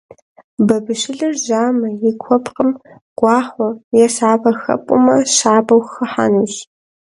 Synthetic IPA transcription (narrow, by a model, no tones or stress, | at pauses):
bɐbɨʃɪɮɨrʒaːmɐjɪkʷʰɔpqʼəm | ɡ̥ʷɑːχʷɔjɛsaːbɐxɐ̰pʼʊ̰mɐʃaːbɐwxɐħa̰nuːɕ